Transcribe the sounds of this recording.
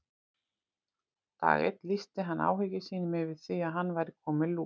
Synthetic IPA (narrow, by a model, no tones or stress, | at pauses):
t̪a̰ːɣɪ̰t̪list̪ɪɦanːa̰ːwɦʏcɪsiːnʏmɪvɪð̥θiaðɦanːvajɾɪkʰɔːmɪluː